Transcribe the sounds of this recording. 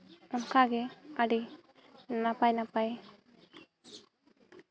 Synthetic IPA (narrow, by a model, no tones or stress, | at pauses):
ɔmkaɡɛaɖi | napajnapaj